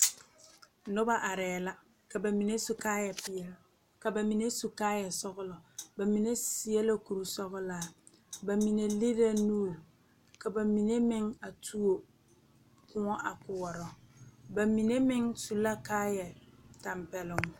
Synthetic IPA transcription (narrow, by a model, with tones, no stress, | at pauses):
nʊ˦ba˦ʔa˨ɾɛː˨la˦ | ka˨ba˨mi˨ne˦su˨kaː˦jɛ˨pɪ˨jɛ˦l | ka˨ba˨mi˨ne˦su˨kaː˦jɛ˨sɔ˦ɣʊ˦lɔ˨ba˨mi˨ne˦si˦ɛ˦la˦ku˨ɾu˨sɔ˦ɣʊ˦laː˨ | ba˨mi˨ne˨li˦ɾa˦nuː˦˨ | ka˨ba˨mi˨ne˦mɪ˦ŋa˨tʰu˦o˨ | kʊ̃˦ŋɔ˦ʔa˨kʊ˨wɔ˨ɾɔ˨ba˨mi˨ne˦mɪ˦ŋsu˨la˦kaː˦jɛ˨ta˨mpɛ˨lʊ˨ŋ˨